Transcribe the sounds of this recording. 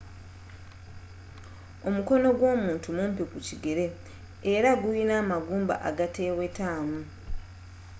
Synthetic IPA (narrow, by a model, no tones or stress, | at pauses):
o̞muko̞no̞ɡwo̞ːmuːntumumpekuciɡeɾe̞ː | ɾaɡujinaːmaɡuːmba̰ʔa̰ɡate̞ːwe̞taːmu